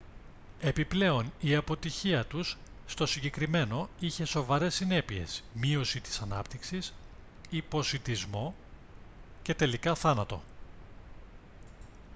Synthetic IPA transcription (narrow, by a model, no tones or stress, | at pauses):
e̞piple̞o̞niɐpo̞t̪içiɐt̪usː | t̪o̞siɲɟe̞kɾime̞no̞içe̞so̞vɐɾe̞sːine̞pie̞̰smio̞sit̪i̥sɐnɐpt̪iksis | ipo̞sit̪izmo̞ | ce̞t̪e̞likɐθɐnɐt̪o̞̰